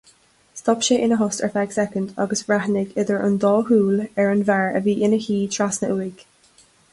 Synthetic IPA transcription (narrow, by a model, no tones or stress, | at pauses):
stɔpʃeːʔɪ̃nəɦʊstə̰˞fɛɡsɛkə̃ndɔ̰ɡəsɹahnɪɡɪðəɹʔə̰̃nd̪ɔːhuːləɹənvɛɹə̰biːʔɪnəhiːtʰɹ̥asnəʔwik